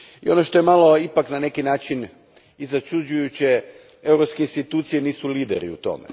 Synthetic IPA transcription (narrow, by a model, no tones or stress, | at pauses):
io̞noʃt̪o̞jemalo̞ipaknane̞kinaːt͡ʃin | izat͡ʃud͡ʑujut͡ɕe | e̞wɾopskeinst̪it̪uːt̪sijeniːsuliːd̪ḛɾḭṵt̪o̞̰mḛ